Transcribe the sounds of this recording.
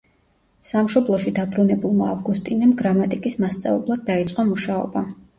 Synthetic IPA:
samʃɔblˠɔʃid̪abɾunɛbulˠmaːvɡust̪ʼinɛmɡɾamat̪ʼikʼismast̪sʼa̰vɛblˠad̪̚ːait̪sʼqʼɔmuʃaɔ̰ba

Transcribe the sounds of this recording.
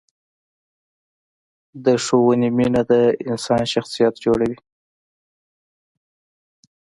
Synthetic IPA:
d̪əʂowəniminad̪əɪnsɑnʃaxsijat̪d͡ʒoɽawi

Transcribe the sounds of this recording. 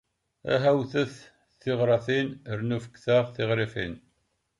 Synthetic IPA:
æ̰ɦæwθəθ | θɪʁɾˤɑθinəɾnufəkθaʁθɪʁɾifḭn

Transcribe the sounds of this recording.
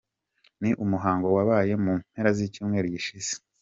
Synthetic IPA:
niʔumuɦaːŋɡowaβaːje̞mum̥he̞ɾazicuːmŋe̞ːɾoɟiʃiz̥e̥

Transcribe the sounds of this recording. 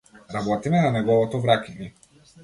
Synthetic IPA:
ɾabɔt̪imɛnanɛɡɔvɔt̪ɔvɾakiɲi

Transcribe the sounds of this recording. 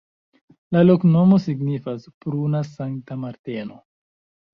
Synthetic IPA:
lalo̞kno̞mo̞siɡnifaspɾunasaŋktamaɾteno

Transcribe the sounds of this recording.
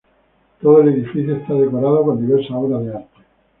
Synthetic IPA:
t̪oð̞oe̞le̞ðifiθjoest̪aðe̞koɾað̞oko̞nd̪iβe̞ɾsaoɾaðeaɾt̪e

